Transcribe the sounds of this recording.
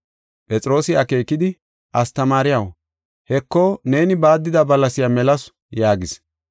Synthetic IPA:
pʼɛt͡sʼɾo̞ːsɪɐke̞ːkːɪd̪ɪ | ʔɐst̪ɐmaːɾɪjɐw | hɛkːɔne̞ːnɪbaːd̪ːɪd̪ɐbɐlːɐsɪjamɛlɐs | jaːɡɪs

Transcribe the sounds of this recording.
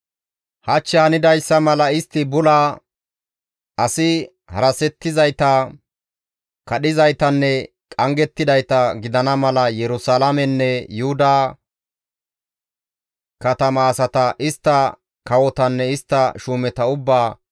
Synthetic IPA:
hɐt͡ʃːaːnɪd̪ɐjsːɐmɐlɐɪst̪ːɪbʊla | ʔɐsɪ | hɐ̰ɾɐsɛt̪ːɪzɐjt̪ɐ | kɐɗɪzɐjt̪ɐnːɛ | kʼɐŋɡɛt̪ːɪd̪ɐjt̪ɐɡɪd̪ɐnɐmɐlɐjɛɾʊsalamɛnːɛjʊhʊd̪ɐ | kɐt̪ɐmɐːsɐt̪ɐʔɪst̪ːɐ | kɐwɔt̪ɐnːɛɪst̪ːɐʃuːmɛt̪ɐʊbːaː

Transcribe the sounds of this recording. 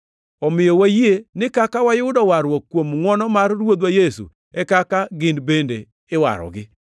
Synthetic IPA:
ɔmɪjɔwajenɪkakawajʊʊdɔwaɾwɔkːwomŋwɔnɔmarːwod̪wajesṵ | ɛkakaɡɪnbende | ɪwa̰ɾɔ̰ɡɪ

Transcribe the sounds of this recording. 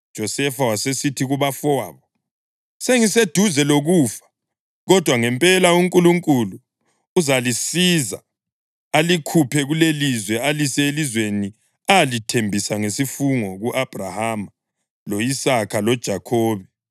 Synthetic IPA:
dʒ̥ʱɔsɛfawasesitʰiɣuβafɔwaːβɔ | seŋised̥ʱuzɛloɣuːfḁ | ɣɔd̥ʱwaŋɛmpʼɛlauŋkʼuluŋkʼuluː | zalisiza̰ | alikʰupʰɛɣulelizwɛalisɛelizweni | aalitʰembʱisaŋesifuŋɔɣuʔab̥ʱrahama | loisakʰalɔd̥ʒ̥ʱakʰɔːβɛ

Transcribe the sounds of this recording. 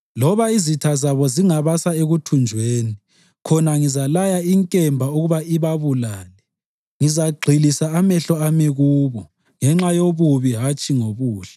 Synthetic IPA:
lɔβaizitʰazaβɔziŋaβasaeɣutʰund͡ʒʱweːni | kʰɔnaŋizalajaiŋkʼɛmbʱauɣuβaiβaβulaːlɛ | ŋizaɡ͡ǃʱilisaamɛɬɔamiɣuːβɔ | ŋɛŋ͡ǁajoβuβiɦat͡ʃʼiŋoβuːɬḁ

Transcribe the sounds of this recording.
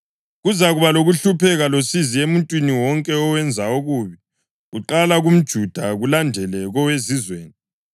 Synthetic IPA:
ɣuzaɣuβaloɣuɬupʰɛɣalosiziemuntʼwiniwɔŋkʼɛɔwɛnd͡zʱaoɣuβi | ɣuǃalaɣum̩d̥ʒ̥ʱud̥ʱaɣulandʱɛlɛɣɔwezizwḛːni

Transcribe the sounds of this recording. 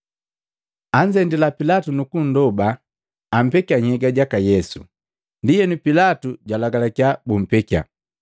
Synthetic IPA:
aɲd͡ʒɛndɛlapilatunukun̩dɔbaː | m̩pɛkiaɲhɛɡaɟakajɛsṵ | ndijɛnupilatuɟwalaɡalakjabum̩pɛkia̰

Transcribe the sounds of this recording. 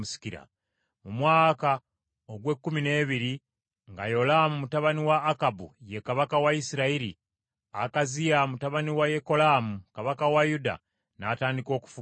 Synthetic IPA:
usi̥kiɾa̰ | mumwaːka | oɡwe̞kːumine̞ːβiɾi | ŋɡa̰jo̞lamumutaβaniwaːkabṵje̞kaβakawaisiɾaiɾi | a̰kazijamutaβaniwaje̞ko̞laːmukaβakawajuda̰ | na̰taːndiko̞ːku̥fu

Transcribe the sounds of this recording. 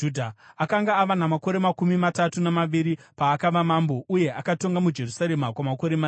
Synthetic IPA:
udʱaakaŋɡaːʋanamako̞ɾe̞makumimatatunamaʋiɾipaːkaʋamambo̞ʔuje̞ʔakato̞ŋɡamud͡ʒe̞rusaɾemakwamako̞ɾema

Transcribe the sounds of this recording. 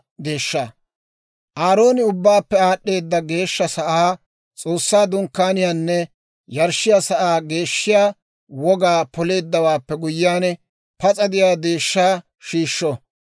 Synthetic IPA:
ɡ̪e̞ːʃːaː | ʔaːɾo̞ːnɪʊbːaːpːɛaːɗːe̞ːd̪ːɐɡe̞ːʃːɐsɐʔaː | t͡sʼo̞ːsːaːd̪ʊŋkːaːnɪjaːnːɛ | jɐɾʃːɪjaːsɐʔaːɡe̞ːʃːɪjaː | wɔɡaːpɔle̞ːd̪ːɐwaːpːɛɡʊjːaːnɛ | pɐt͡sʼɐd̪ɪjaːd̪e̞ːʃːaː | ʃiːʃːɔ

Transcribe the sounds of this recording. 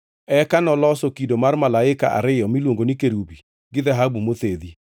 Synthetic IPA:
ɛkanɔlɔsokidomaɾmalaɪka̰ʔa̰ɾɪjɔmilwoŋɡonikeɾubi | ɡɪðɛɦabumoθeði

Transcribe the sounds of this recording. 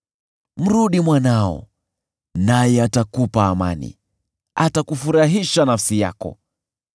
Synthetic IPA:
m̩ɾuɗimwanaɔ̰ | najɛatakupaːma̰nḭ | atakufuɾaɦiʃanafsija̰kɔ̰

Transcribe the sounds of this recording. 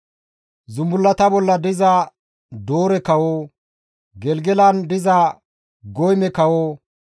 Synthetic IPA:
zʊmbʊlːɐt̪ɐbɔlːɐd̪ɪzɐ | d̪oːɾɛkɐwoː | ɡɛlɡɛlɐnd̪ɪzɐ | ɡɔjmɛkɐwoː

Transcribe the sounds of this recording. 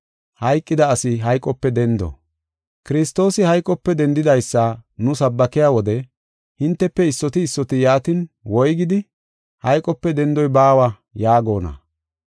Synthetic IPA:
hɐjkʼːɪd̪ɐːsɪɦɐjkʼɔpːɛd̪ɛnd̪ɔ̰ | kɪɾɪst̪o̞ːsɪhɐjkʼːɔpːɛd̪ɛnd̪ɪd̪ɐjsːɐnʊsɐbːɐkɪjaːwɔd̪ɛ | hɪnt̪ːɛpːɛɪsːɔt̪ɪːsːɔt̪ɪjaːt̪ɪnwɔjɡɪd̪ɪ | hɐjkʼːɔpːɛd̪ɛnd̪ɔjbaːwɐ | jaːɡo̞ːnɐ̰

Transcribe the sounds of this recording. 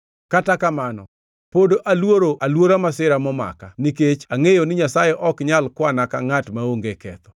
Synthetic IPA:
katakamanɔ̰ | podoʔalwoɾoʔalwoɾamasɪɾamɔma̰kaniket͡ʃaŋejonɪɲasajɛʔɔkɲalkwanaka̰ŋatmaoŋɡekɛt̪ɔ̥

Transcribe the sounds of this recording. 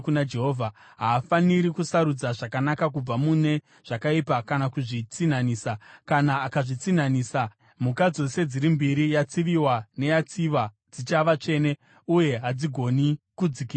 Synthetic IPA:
kunad͡ʒeɦoːvʱa | ɦaːfaniɾikusaɾud͡zaʐakanakak̬ub͡vamune̞ | ʐ̥akaipakanakuʐit͡sinaniːsakanaːkaʐit͡sinaniːsa | mukad͡zo̞se̞d͡ziɾimbiɾijat͡siʋiwane̞jat͡siʋa | d͡zit͡ʃaʋat͡ʂe̞ne̞ | uje̞ɦad͡ziɡʱo̞nikud͡ziki

